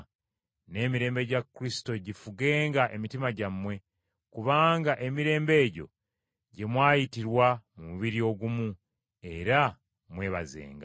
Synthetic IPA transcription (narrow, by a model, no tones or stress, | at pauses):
ne̞ːmiɾe̞ːmbe̞ɟakːɾisi̥to̞ɟifuɡeːŋɡaʔemitimaɟamwe̞ | kuβaːŋɡaʔe̞miɾe̞ːmbe̞ːɟo̞̰ | ɟe̞mwaːjitiɾwamumuβiɾio̞ɡumu | e̞ɾa | mwe̞ːβa̰zḛːŋɡa̰